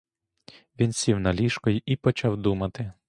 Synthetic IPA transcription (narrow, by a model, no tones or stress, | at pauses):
ʋʲinsʲiwnɐlʲiʃkɔjʊʔipɔt͡ʃɑwd̪umɐt̪ɪ